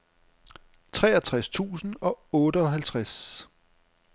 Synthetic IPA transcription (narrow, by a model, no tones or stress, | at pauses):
t͡sʰʁɛ̰ːɐt͡sʰʁast͡sʰṵːsn̩ɒ̽ɔ̽ːɾəɒɦælt͡sʰʁas